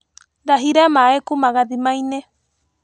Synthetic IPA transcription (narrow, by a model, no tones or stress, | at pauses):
nd̪aɦiɾamãekumãɣad̪imaj̃ne